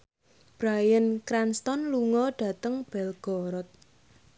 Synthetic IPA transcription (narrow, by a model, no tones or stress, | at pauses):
b̥ɾajənkɾanst̪ɔnluŋɔɖ̥ä̤t̪əŋb̥ɛlɡ̥ɔɾɔt̪̚